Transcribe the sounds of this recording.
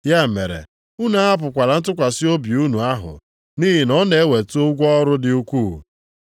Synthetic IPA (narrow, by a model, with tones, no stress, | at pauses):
ja˦˨me˨ɾḛ˨ | u˦na˨˦a˦p̬ʊ˨kʷa˨ɾa˨n̩˦tʊ˦kʷa˨sɪ˦o˦bi˨u˦nu˨a˦ɦʊ̰˨ | ni˦ɦɪ˨nɔ˦ne˨e˦we˨tu˦o˦ɡʷɔ˦ɾʊ˦dɪ˨u˦kʷuː˦˨